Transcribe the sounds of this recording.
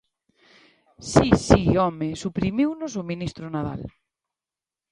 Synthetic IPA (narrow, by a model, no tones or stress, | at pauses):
sisiɔmesupɾimiwnʊs̬ʊminist̪ɾʊnaða̰l